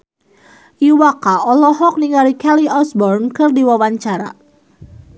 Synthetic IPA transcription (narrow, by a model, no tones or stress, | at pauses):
ʔiwakaʔɔlɔɦɔk̚niŋaɾikɛliɔsbɔrnkɨrdiwawaɲt͡ʃaɾa̰